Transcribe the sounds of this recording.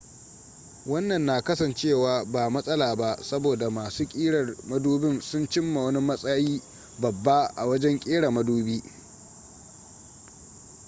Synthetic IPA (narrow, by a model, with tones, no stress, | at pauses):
wɐ˦nːɐ˨nːaː˨kɐ˦sɐ˨nt͡ʃeː˦˨waː˨baː˨mɐ˦sʼɐ˦laː˨ba˦sɐ˦boː˨da˨maː˨suː˦kʲʼiː˦ɽɐ˨rmɐ˦duː˦bɪ˦nsʊ˦nt͡ʃɪ˦mːa˨wɐ˦ni˦mɐ˦sʼɐ˦jiː˦ | bɐ˨bːa˦ʔa̰˨wɐ˦d͡ʒɛ˦ŋkʲʼiː˦ɽa˨mɐ˦duː˦biː˦